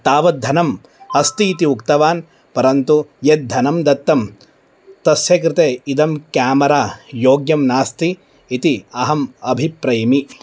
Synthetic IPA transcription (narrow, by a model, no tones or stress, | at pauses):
t̪aːʋɐt̪̚d̪ʱɐnɐm | ɐst̪iːt̪iukt̪ɐʋaːn | pɐɾɐnt̪ujet̪̚d̪ʱɐnɐmd̪ɐt̪ːɐm | t̪ɐsjɐk̬ɾɪt̪eːid̪ɐmkjaːmɐɾaːjoːɡjɐmnaːst̪iː | t̪iɐɦɐmɐbʱipɾɐjɐmi